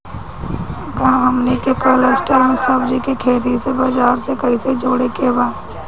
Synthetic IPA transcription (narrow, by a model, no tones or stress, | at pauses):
kãɦɐmlekekələsʈəɾmẽsɐbd͡ʒikekʰeːt̪̬isebad͡ʒaːɾsekɐɦĩsed͡ʒoːɽekebaː